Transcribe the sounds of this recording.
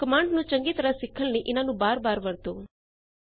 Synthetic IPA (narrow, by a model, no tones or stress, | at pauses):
kɐmãːɳɖnũːt͡ʃɐ̃ŋɡit̪ɐɾasɪkʰːəlniʔɪnãːnũːbaːɾbaːɾʋɐɾt̪oː